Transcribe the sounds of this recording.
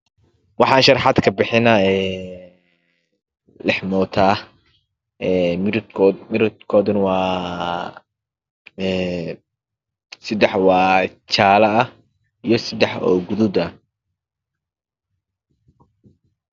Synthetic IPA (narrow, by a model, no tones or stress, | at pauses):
wɑħɑːnʃɐɾħɑd̪kʰɐbɪħɪnɐɛː | lɛħmɔːt̪ʰaː | ɛːmɪɾʰɔmɪɾʊd̪kʰɔːðɐnwɑː | ɛ | sɐd̪ɛħwɑː | t͡ʃaːlɐɐ | ijɞsɐd̪ɛħɔ̰ːɡʊðʊd̪ɐ